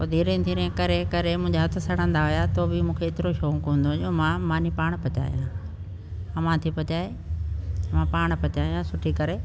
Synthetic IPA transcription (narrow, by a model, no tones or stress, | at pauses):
poːd̪ʱiːɾẽd̪ʱiːɾẽkɐɾekɐɾemũɦɪ̃ɲd͡ʑaɦɐt̪ʰʊ̆sɐɽ̤ə̃nd̪aɦʊjat̪obɪmũːkʰeːt̪ɪɾoʃoːkɦũːnd̪õd͡ʑomãmãːnipaːɽ̃pɐt͡ɕa̰ːḭjãː | ɐmãt̪ʰipɐt͡ɕaːe | mãpaːɽ̃pɐt͡ɕaːiãsʊʈʰikɐɾe